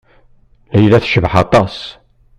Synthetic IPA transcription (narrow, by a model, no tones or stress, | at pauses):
læjlæθʃəvħɑt̪ˤɑs